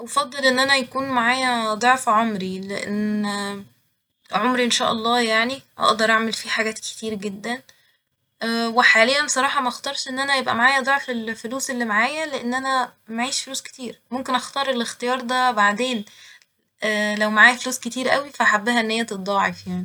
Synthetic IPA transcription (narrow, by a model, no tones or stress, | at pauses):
wfɑd̪ˤːelʔenːʔænæjækuːnmaʕaːjæd̪ˤoʕfʕomɾileʔḛnː | ʕomɾiʔenʃæːʔɑlˤːɑːjaʕniʔɑ̰ʔd̪ɑɾˤʔaʕmelfiːħaɡæːt̪ke̥t̪iːɾɡed̪ːænː | weħaːlejːænbsˤɑɾˤɑːħɑmæʔɑxt̪ˤɑɾˤʃʔenːʔænæjebʔæ̰maʕaːjæd̪ˤoʕfelfoluːselːimaʕaːjæleʔenːʔænæmaʕiːʃfoluːske̥t̪iːɾmomkenʔɑxt̪ɑːɾˤelext̪ejɑːɾˤd̪æbaʕd̪eːn | ʔælæwmaʕaːjæfoluːsket̪iːɾʔæwifæʔaħabːæɦæenːhejːæt̪et̪̚d̪ˤɑːʕefjaʕni